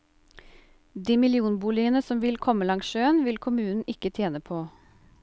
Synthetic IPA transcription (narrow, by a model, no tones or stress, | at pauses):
d̪iːmɪlɪuːnbuːlɪənəsɔmʋɪlkʰɔməlɑŋsʃøːənʋɪlkʰʊmʉːnn̩ʔɪkət̪ʰjeːnəpʰoː